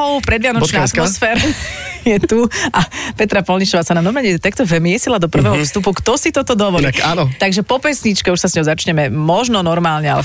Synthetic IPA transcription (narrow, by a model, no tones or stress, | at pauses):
ɔʊpɾɛd̪ʋɪanɔnaat̪ɔsfɛːɾjɛt̪uʔapɛt̪ɾapɔlɲiʃɔʋaːsananɔmɛɲɛt̪akt̪ɔvmɪɛsilad̪ɔpr̩ʋɛɦɔfst̪upukt̪ɔsit̪ɔt̪ɔd̪ɔʋɔlianɔt̪aɡʒɛpɔpɛsɲit͡ʃkɛuʃsasɲɔʊzat͡ʃɲɛmɛmɔʒnɔnɔɾmaːlɲɛa̰lɛ